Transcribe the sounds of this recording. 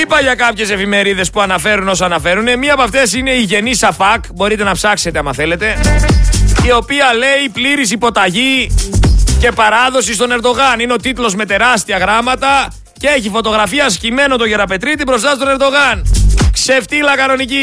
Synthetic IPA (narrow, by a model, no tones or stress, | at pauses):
ipɐʝɐkɐpçe̞se̞fime̞ɾiðe̞spuɐnɐfe̞ɾuno̞soɐnɐfe̞ɾune̞miɐpɐft̪e̞sine̞iʝe̞nisɐpɐkbo̞ɾit̪e̞nɐpsɐkse̞t̪eɐmɐ̰θe̞le̞t̪e̞ | io̞piɐle̞ipliɾis̬ipo̞t̪ɐʝi | ce̞pɐɾɐðo̞sist̪o̞ne̞ɾd̪o̞ɣɐnineo̞t̪it̪ulo̞zme̞t̪e̞ɾɐst̪iɐɣɾɐmɐt̪ɐ | ceeçifo̞t̪o̞ɣɾɐfiɐscime̞no̞t̪oʝeɾɐpe̞t̪ɾit̪̬ipɾo̞sɐst̪o̞ne̞ɾd̪o̞ɣɐnkseft̪iːlɐkɐno̞nici